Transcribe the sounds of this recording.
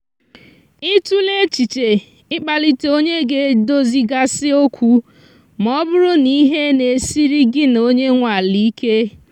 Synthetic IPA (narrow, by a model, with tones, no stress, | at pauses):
ɪ˦tu˦le˦t͡ʃi˨t͡ʃe˨ | ɪ˦k͡pa˨li˨te˨˦o˦ɲe˦ɡe˦do˦zi˨ɡa˦sɪ˦o˦kʷu˦ | mɔ˦bʊ˦ɾʊ˦ni˦ɦe˦ne˨si˦ɾi˦ɡɪ˦n˨o˦ɲe˦ŋʷa˨li˦i˦ke˦